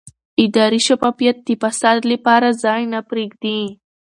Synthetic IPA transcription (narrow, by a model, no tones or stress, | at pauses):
ɪd̪ɑɾiʃafɑfijat̪̚d̪ipasad̪lapɑɾazɑjnapɾeɡd̪i